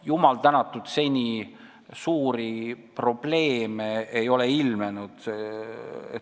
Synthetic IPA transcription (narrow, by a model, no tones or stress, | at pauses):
jumɑlt̪ænɑt̪ːˑud̪̥se̞nʲi | suːɾipro̞b̥le̞ːmeejo̞leilmenud̪̥sḛ